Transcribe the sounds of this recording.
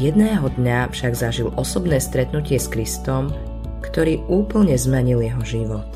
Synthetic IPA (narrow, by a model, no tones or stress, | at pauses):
jɛd̪nɛːɦɔd̪ɲafʃaɡzaʒilʔɔsɔbnɛːst̪ɾɛt̪nucɪɛskɾist̪ɔm | kt̪ɔɾiːuːpl̩ɲɛzmɛɲiljɛɦɔʒiʋɔt̪